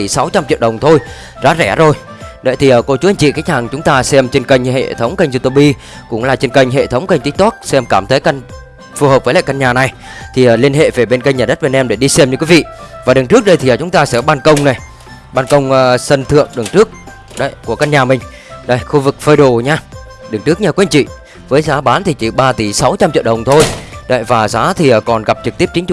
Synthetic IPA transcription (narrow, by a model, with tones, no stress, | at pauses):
i˧˩sa˨˦wt͡ɕa˧mt͡ɕḭ˧˨əwɗə˨˩wŋ͡mt̪ʰo˧j | za̰ː˨˥zɛ˧˩zo˨˩j | ɗə̰˨˦jt̪ʰi˨˩ʔəː˨˩ko˧˩t͡ɕu˨˦a˧jŋt͡ɕḭ˧˨kaː˦˥jk̚haː˨˩ŋt͡ɕʊ˨˦ŋ͡mt̪aː˧sɛ˧mt͡ɕe˧nkə˧jŋ̟ɦḛ˧˨t̪ʰə˨˦wŋ͡mkə˧jŋ̟zu˧t̪o˧˩ɓi˧ | kʊ̰˧˥ŋ͡mlaː˨˩t͡ɕe˧nkə˧jŋ̟ɦḛ˧˨t̪ʰə˨˦wŋ͡mkə˧jŋ̟t̪i˦˥k̚t̪u˦˥k̚sɛ˧mkaː˧˩mt̪ʰə˨˦jka˧jŋ̟ | fu˨˩həː˨˩p̚vəː˨˦la̰ː˧˨ka˧nɲaː˨˩na˨˩j | t̪ʰi˨˩ʔəː˨˩li˧ənɦḛ˧˨ve˨˩ɓe˧nka˧jŋɲaː˨˩ɗt̚ɓe˧nʔɛ˧mɗe˧˩ɗi˧sɛ˧mɲɨ˧ki˨˦vḭ˧˨vaː˨˩ɗɨ˨˩ŋt͡ɕɨ˦˥ək̚ɗə˧jt̪ʰi˨˩˨ə˨˩t͡ɕʊ˨˦ŋ͡mt̪aː˧sɛ̰˧˥˩ɓaː˧nkə˧wŋ͡mna˨˩j | ɓaː˧nkə˧wŋ͡mʔəː˧sə˧nt̪ʰɨ̰˧˨əŋɗɨ˨˩ŋt͡ɕɨ˦˥ək̚ | ɗə˧˨jku˧˩əka˧nɲaː˨˩mï˨˩ŋ̟ | ɗə˧jxu˧vɨ˨˩k̚fəː˧jɗo˧˩ɲaː˧ | ɗɨ˨˩ŋt͡ɕɨ˦˥ək̚ɲaː˧˩kwnt͡ɕḭ˧˨ | vəː˨˦jzaː˨˦ɓaː˨˦nt̪ʰi˨˩t͡ɕi˧˩ɓaː˧t̪i˧˩sa˨˦wt͡ɕa˧mt͡ɕḭ˧˨əwɗə˨˩wŋ͡mt̪ʰo˧jɗə̰˧˨jvaː˨˩zaː˨˦t̪ʰi˨˩əː˨˩kɔ˨˩nɣa˨˩p̚t͡ɕɨ˨˩k̚t̪i˦˥p̚t͡ɕï̟˨˦t͡ɕ